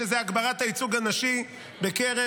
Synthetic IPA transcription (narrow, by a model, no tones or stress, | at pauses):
ezɛaɡbaʁat̪hait͡suɡanaʃi | bekeʁe